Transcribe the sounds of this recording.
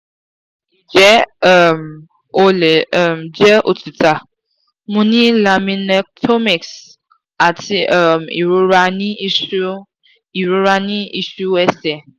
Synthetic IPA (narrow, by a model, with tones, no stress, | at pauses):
d͡ʒɛ˦m | o˦le˨˦m˨d͡ʒɛ˦ʔo˨tu˨ta˨ | mũ˦nĩ˦la˨mĩ˧nɛ˦tʰo˦mi˨ks | a˨ti˧˦˨m˨ḭ˨ɾu˧ɾa˧nĩ˦u˦ | i˨ɾu˧ɾa˧nĩ˦i˦ʃu˦ɛ˦sɛ˨